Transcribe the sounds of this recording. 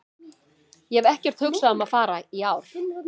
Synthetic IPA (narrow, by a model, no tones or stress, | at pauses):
jɛɛvɛhcɛr̥t̪hʏksaðʏmaðfaːɾaiaːwɾ̥